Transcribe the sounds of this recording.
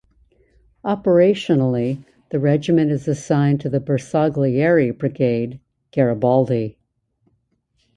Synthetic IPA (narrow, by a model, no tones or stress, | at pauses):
ʔɑpə˞eɪʃɨnl̩ˠi | ðɨɹɛd͡ʒɨmɨ̃ɾ̃ɨzɨsãɪ̃ntʰɨðɨbə˞sɑɡliɛɹibɹɨɡeɪd̚ | ɡ̥ɛɹɨbɑlˠdi